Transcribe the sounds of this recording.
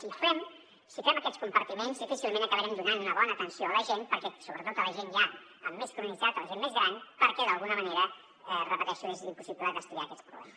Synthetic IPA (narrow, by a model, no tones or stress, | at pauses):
sifɛm | sifɛməkɛt̪skumpəɾt̪imenzðifisilˠmẽnəkəβəɾɛmd̪unanunəβɔnəːt̪ənsioələʒenpəɾkɛsoβɾət̪ot̪ələʒenʒa | əmːeskuɾunid͡zat̪ələʒenmezɣɾanpəɾkɛðəlˠɣunəməneɾə | ɛrəpət̪ɛʃuezimpusipləd̪əst̪uðia̰kɛt͡spɾṵβlɛ̰məs